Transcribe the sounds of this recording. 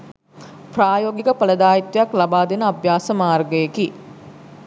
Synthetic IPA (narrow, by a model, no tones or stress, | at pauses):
praːjoːɡikəpələd̪aːit̪ʋjaklabaːd̪enəabjaːsəmaːrɡəjeki